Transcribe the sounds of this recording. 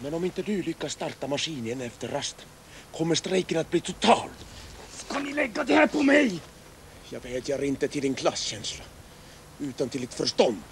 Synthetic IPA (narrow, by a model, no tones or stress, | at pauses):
mænomint̪ːed̪yːlykːɑst̪ɑrt̪ːɑmɑsiːnieneft̪erɑst̪ | kʰomːest̪reikːinɑt̪̚pit̪ʰut̪ʰːɑːl | kɑnileɡɑt̪ihæpːumej | jɑpehet̪ʲjɑrint̪ːet̪iliŋkʰlɑsːenslɑ | yːt̪ːont̪ilit̪først̪on